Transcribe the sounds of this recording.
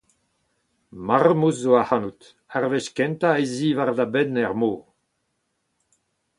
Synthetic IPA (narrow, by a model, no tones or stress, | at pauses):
maʁmuzoahanut̪ | aʁveʃkɛnt̪aeziːvaʁd̪abɛnɛʁmoː